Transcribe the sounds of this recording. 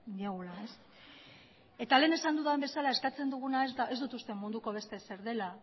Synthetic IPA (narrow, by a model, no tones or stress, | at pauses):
ɡeɣulae̞s | e̞t̪ale̞ːne̞sand̪uðambe̞salae̞skat͡se̞nd̪uɣ̞unaezae̞zd̪ut̪ust̪e̞mund̪uko̞β̞e̞st̪e̞se̞ɾðe̞la